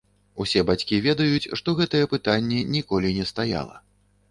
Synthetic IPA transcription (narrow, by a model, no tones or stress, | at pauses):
usʲɛbat͡sʲkʲivʲɛd̪ɐjut͡sʲʂt̪ɔɣɛt̪ɐjɛpɨt̪anʲːɛnʲikɔlʲinʲɛst̪aja̰lˠɐ̰